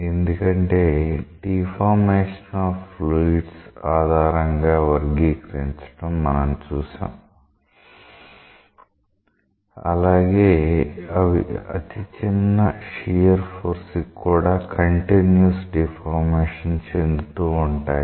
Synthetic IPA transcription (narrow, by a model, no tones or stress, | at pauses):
e̞nd̪ukɐɳʈe̞ːɖipʰaːɾmeːʂɐnaːfluːʈsaːd̪ʱaːɾɐŋɡaːʋɐɾɡiːkɾeɲt͡ʃɐ̥ʈɐmːɐnɐmt͡ʃuːʃa̰ːm | ɐlaːɡeːɐʋḭɐ̰t̪it͡ʃinːɐʂijɐɾpʰoːɾskːuːɽaːkʰɐɳʈinjusɖipʰaːɾmeːʂɐnt͡ʃend̪ut̪uːuɳʈaːj